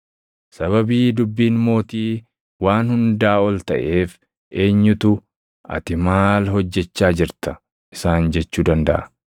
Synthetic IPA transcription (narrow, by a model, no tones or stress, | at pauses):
sɐβɐbiːd̪ʊbːiːnmo̞ːt̪iː | waːnhʊnd̪aːɔlt̪ɐʔe̞ːf | e̞ːɲːʊt̪ʊ | ʔɐ̰t̪ɪmaːlɦɔd͡ʒːɛt͡ʃːaːd͡ʒɪɾt̪ɐ | ʔɪsaːnd͡ʒɛt͡ʃːuːd̪ɐnd̪ɐ̰ʔɐ